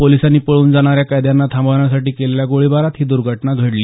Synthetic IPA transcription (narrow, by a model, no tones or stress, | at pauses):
polisanːiːpəɭuːnd͡zaɽ̃aɾjakajd̪janːat̪ʰãmbəɳjasaʈiːkeleljaɡoɭibaɾat̪ɦiːd̪uɾɡʱəʈnaɡʱəɽliː